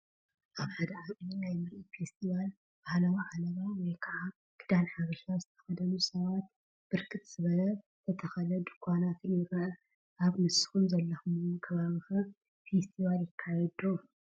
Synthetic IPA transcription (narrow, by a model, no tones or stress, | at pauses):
ʔaβħad̪ɐʕakʼinajmɨɾʔifest̪ʰiβal | b̥ahlawʕalɐβawɔjkʰɐʕa | ɡ̥ɨd̪anħaβɐʃazɨt̪ʰɐ̥xɐd̪ɐnusɐβat̪̚ | b̥ɨɾkʰɨt̪z̥ɨβɐlɐ | t̪ʰɐt̪ʰɐxɐlɐd̪ukʰʷanat̪ʰɨnɪɾɐɐ | ʔaβmɨsɨ̥xumzɐlːɐxumɨwkʰɐβaβixɨ | fe̞st̪ʰiβaljɪkʰːajɛd̪o